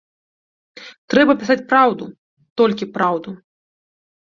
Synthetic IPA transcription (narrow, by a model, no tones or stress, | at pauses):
t̪ɾɛbɐpʲis̬at͡sʲpɾawd̪u | t̪ɔlʲkʲipɾawd̪u